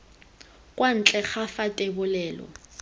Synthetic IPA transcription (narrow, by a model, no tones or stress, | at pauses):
kʼwan̩t͡ɬʼɛχafatʼebʊlɛːlɔ̰